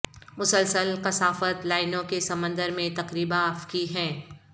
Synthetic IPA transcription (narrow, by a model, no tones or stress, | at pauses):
mʊsəlsəlqɐsaːfət̪laːɪnõkesɐmə̃nd̪əɾmẽt̪ɐqɾiːbãɐfkiɦɛ̃ː